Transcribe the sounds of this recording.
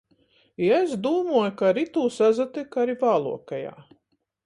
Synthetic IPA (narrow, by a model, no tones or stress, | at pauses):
iesd̪uːmuɔjkaɾit̪uːsazat̪ɨkaɾivaːlˠṵɔkaja̰ː